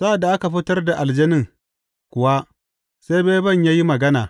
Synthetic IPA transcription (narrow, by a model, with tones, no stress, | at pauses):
sa˦ʔa˨dːa˨ʔa˦ka˨ɸɪ˦tɐ˦rda˨ʔa˨ld͡ʒɐ˦nɪ˦ŋ | kʷʊ˨wa˦ | se˦jbeː˦jbɐ˦˨ɲjaː˦ji˦mɐ˨ɡɐ˦naː˨